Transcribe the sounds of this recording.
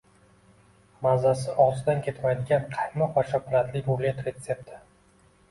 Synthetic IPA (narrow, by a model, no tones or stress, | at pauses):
mazasɪɒʁzɪd̪ankʲʰe̞t̪majd̪ɪɡʲanqʰɑjmɒqvaʃɒpʊɾat̪lɪkʲolet̪ɾe̞t̪se̞p̚t̪ʰɪ̥